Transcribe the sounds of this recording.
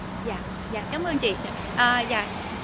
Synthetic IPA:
jaː˧˩˨ | zaː˨˧˩kaː˨˦mʔəː˧nt͡ɕḭ˨ | ʔəː˨˩zaː˧˨

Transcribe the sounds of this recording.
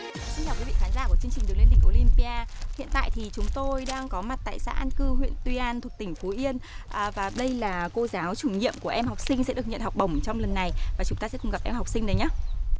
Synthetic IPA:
si˧ŋt͡ɕaː˨˩wkwi˨˦vḭ˧˨xaː˨˦nzaː˧˩ku˧˩ət͡ɕɨ˧əŋt͡ɕï˨˩ŋ̟ɗkle˧nɗi˧ko˧˩li˧npi˧aː˧hḭ˧˨ənt̪a̰ː˧˨jt̪ʰi˨˩t͡ɕʊ˨˦ŋ͡mt̪o˧jɗaː˧ŋkɔ˨˦ma˨˩t̚t̪a̰ː˧˨jsa̰ː˧˥ʔaː˧nkɨ˧ɦwḭ˧˨nt̪wi˧ʔaː˧nt̪ʰu˨˩ək̚t̪ï˧˩ŋ̟fo˨˦ʔi˧ənʔvaː˨˩ɗə˧jlaː˨˩ko˧zaː˨˦wt͡ɕu˧˩ŋɲḭ˧˨əmku˧˩əʔɛ˧mha˨˩wk͡p̚sï˧ŋ̟sɛ̰˧˥ɗɨ˨˩ək̚ɲə̰˧˨nhɔ˨˩wk͡p̚ɓə˧˩wŋ͡mt͡ɕɔ˧wŋ͡mlə˨˩nːa˨˩jvaː˨˩t͡ɕʊ˨˦ŋ͡mt̪aː˧sɛ˧˥kʊ˨˩ŋ͡mɣa˨˩p̚ʔɛ˧mha˨˩wk͡p̚sï˧ŋɗə˨˦jɲaː˧˦

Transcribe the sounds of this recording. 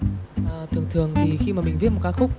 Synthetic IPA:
ʔəː˨˩t̪ʰɨ˨˩əŋt̪ʰɨ˨˩əŋt̪ʰi˨˩xi˧maː˨˩mï˨˩ŋ̟vi˦˥ət̚m̚˨˩kaː˧˦˥xʊ˦˥k͡p̚

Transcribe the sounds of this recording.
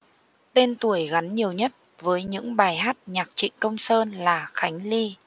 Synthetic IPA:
t̪e˧nt̪u˧˩əjɣa˨˦nɲi˨˩əwɲə˦˥t̚vəː˨˦jɲɨ̰˧˥ŋɓaː˨˩jɦaː˦˥t̚ɲaː˨˩k̚t͡ɕḭ̈˧˨ŋ̟kə˧wŋ͡msəː˧nlaː˨˩xa˨˦jŋ̟li˧

